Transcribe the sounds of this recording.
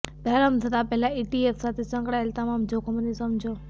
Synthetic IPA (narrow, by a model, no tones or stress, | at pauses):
b̪ʱɛɾəmt̪ʰət̪apɛɦlaiʈiefsat̪ʰesə̃ŋkɽaelt̪əmamd͡ʒokʰomənisəmd͡ʒo